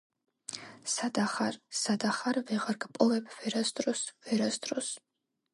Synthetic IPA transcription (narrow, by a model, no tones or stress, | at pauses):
sad̪aχaɾsad̪aχaɾvɛʁaɾɡpʼɔvɛbʰv̥ɛɾasd̪ɾɔsvɛɾasd̪ɾɔs